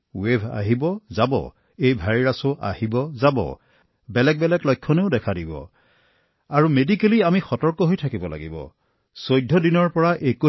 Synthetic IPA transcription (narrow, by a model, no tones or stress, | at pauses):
webʱa̰ɦibɔzabɔ̰ | ejbʱaɹiɹasʊʔa̰hibɔzabɔ̰ | bɛlɛk̚bɛlɛklɔjkʰːɔneʊdɛkʰadibɔ̰ | aɹumedikeliamixɔtɔɹkɔɦojtʰakibɔla̰ɡḭbɔ̰ | sojdʱːɔdinɔɹpɔɹaʔeko